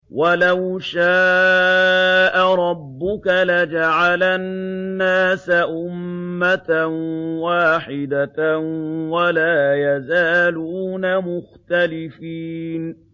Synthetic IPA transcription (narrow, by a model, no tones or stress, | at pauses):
walawʃaː | ʔaɾˤɑbːʊkalad͡ʒaʕalanːaːsaʔʊmːat̪anwaːħɪd̪anwalaːjazaːluːnamʊxt̪alɪfiːn